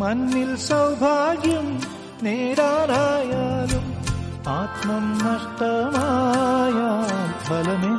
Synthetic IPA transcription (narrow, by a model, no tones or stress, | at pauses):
mɐnːilsɐwbʱaːɡjɐm | neːɾaːɾaːjaːlɐm | aːt̪mɐmnɐʂt̪ɐmaːjaːbʱɐlɐne